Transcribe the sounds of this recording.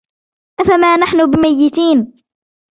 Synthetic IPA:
ʔafamaːnaħnʊbɪmajːɪt̪iːn

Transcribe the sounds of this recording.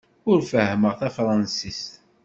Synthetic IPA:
ʊɾfəhːməʁθæfɾˤɑnsist̪

